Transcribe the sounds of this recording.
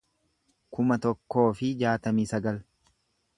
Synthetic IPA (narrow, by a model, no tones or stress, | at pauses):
kʊmɐt̪ɔkːo̞ːfɪd͡ʒaːt̪ɐmiːsɐɡɐl